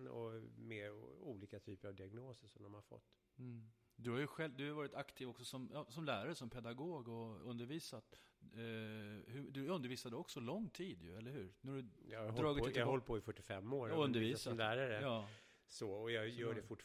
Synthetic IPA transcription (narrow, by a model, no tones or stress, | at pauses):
nɔ̰mɛuːliːkat̪ʰyːpəɾavd̪ɪaɡnoːsəʂɔmd̪ɔmhaɾfɔ̰t̪ː | d̪ɵhaɾjɵɧɛld̪ɵhajvɑːɾɪt̪akt̪ʰiːvɔksɔsɔmʔɑsɔmlæːɾaɾəsɔmpʰɛd̪aɡoːɡɔɵnd̪əɾviːsat̪ | hɵd̪ɵɵnd̪əɾviːsad̪əɔksɔlɔŋːt̪ʰiːd̪jɵ̰ɛlːəɾhɦʉ̟ːɾnæhadɵjɑd̪ɾɑːɡɪt̪ːɦɔlːpʰɔɪfœʈːɪfɛmːoːɾɔɵnnd̪əɾviːsamlæːɾaɾəjɑː | soɔjɑjœːɖɛfʊʈ